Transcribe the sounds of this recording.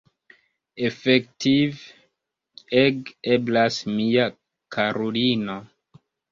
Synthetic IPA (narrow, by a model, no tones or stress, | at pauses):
efektʰiv | eɡeblasmia | kʰaɾolino